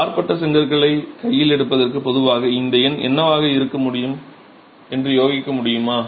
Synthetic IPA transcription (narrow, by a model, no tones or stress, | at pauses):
aːɾpɐʈːɐsɛŋɡɐɾɣɐɭɐɪkɐjːɪlɛɽɯpːɐðɐrkɯpɔðɯʋaːɣɐɪnd̪ɐjɐnɛ̰nːɐʋaːɣɐɪɾɯkːɐmʊɽɪjɯm | ɛndrɯjoːɣɪkːɐmʊɽɪjɯmaː